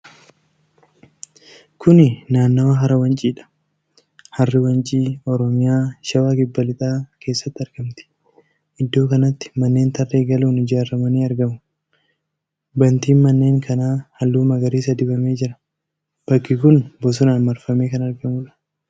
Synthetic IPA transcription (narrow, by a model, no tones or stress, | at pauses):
kʰʊnɪnaːnːɐaɦɐɾɐwɐnt͡ʃʼiːᶑɐ̥ | hɐrːɪwɐnt͡ʃʼiːɔɾɔmɪjaːʃɐwaːkɪbːɐlɪt̪ʼaːkʰeːsːɐt̪ːɪɐɾɡɐmt̪ɪ̥ | ʔɪd̪ːo̞ːkɐnɐt̪ːɪ̥mɐnːe̞ːnt̪ʰɐrːe̞ːɡɐluːnɪd͡ʒaːɾːɐmɐniːɐɾɡɐmʊ | bɐnt̪iːnmɐnːe̞ːŋkʰɐnaːhɐlːuːmɐɡɐɾiːsɐd̪ɪbɐme̞ːd͡ʒɪɾɐ̥ | b̥ɐkːɪkʊnbɔs̬ʊnaːnmɐɾfɐme̞ːkɐnɐɾɡɐmʊlɐ̥